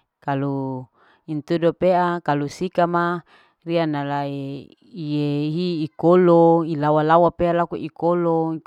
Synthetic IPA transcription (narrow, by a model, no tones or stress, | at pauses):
kalu | int̪udopeakalusikama | rianalae | ijeɦiːkoloilawalawapealakuʔikolo